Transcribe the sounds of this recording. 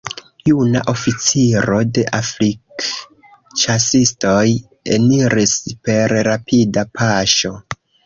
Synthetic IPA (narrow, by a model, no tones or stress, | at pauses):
juna̰ʔo̞fit͡siɾo̞de̞ʔaflik | t͡ʃasisto̞j | e̞̰niɾispe̞ɾːapʰidapʰaʃo̞